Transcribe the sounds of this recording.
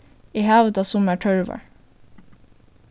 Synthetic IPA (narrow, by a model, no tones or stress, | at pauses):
iːhæːʋəd̪ɑsʊmæːʈʰœɹʋə̰ɹ